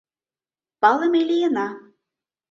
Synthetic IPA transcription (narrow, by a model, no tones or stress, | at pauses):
pɑlˠə̆melʲijə̆nɑ